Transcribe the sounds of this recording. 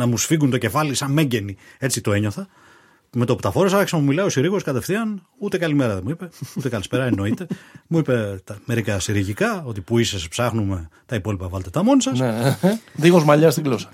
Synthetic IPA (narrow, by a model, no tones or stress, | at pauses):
nɐmusfiɣunt̪o̞ce̞fɐlisɐmme̞ɲɟe̞nie̞t͡sit̪o̞e̞ɲo̞θɐ | met̪oput̪ɐfo̞ɾesɐkisɐmumilɐio̞siɾiɣo̞skɐt̪e̞fθiɐn | ut̪e̞kɐlimeɾɐðemuipe̞ut̪e̞kɐlispe̞ɾɐeno̞it̪e̞muipe̞t̪ɐme̞ɾikɐsiɾiʝikɐo̞t̪ipuisespsɐxnume̞t̪ɐipo̞lipɐvɐlet̪et̪ɐmo̞nisɐseðiɣozmɐʎɐst̪iɡlosɐ̥